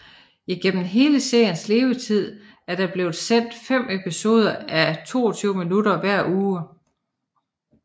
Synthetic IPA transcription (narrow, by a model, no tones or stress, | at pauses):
iɡ̥en̰m̩ɦe̝ːləse̝ɐ̰jənsle̝ːʊət͡sʰið̞̰ˠ | æɐɾ̥ɑ̈b̥le̝ːð̩ˠsen̰d̥fem̰e̝pʰiso̝ːð̞ˠɐæt͡sʰo̝̰ːɒt͡sʰyʊ̰minuɾɐʋæɐ̰ʔuː